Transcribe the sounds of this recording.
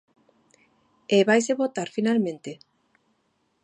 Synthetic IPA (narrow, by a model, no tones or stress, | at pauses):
eβajseβot̪aɾfinalmẽnt̪e